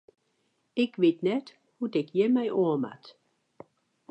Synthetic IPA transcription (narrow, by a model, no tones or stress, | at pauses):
ɪkʋɪtnɛt | hudɪkjəmɛjʔoəma̰t